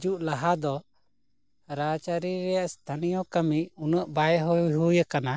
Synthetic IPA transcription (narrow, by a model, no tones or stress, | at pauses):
d͡ʒuʔlaɦad̪ɔ | ɾat͡ʃaɾiɾɛjaʔst̪ʰanijɔkamiunəʔbajɦɔɦujəkana